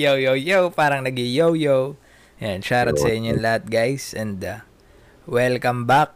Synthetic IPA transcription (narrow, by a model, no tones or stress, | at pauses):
jowjowjowpaːɾɐŋnɐɡɪjowjow | jɛnʃaɾɐt̪sɐʔɪɲːonlɐhat̪̚ɡajsɛ̃nd̪ɐ | wɛlkɐmbak̚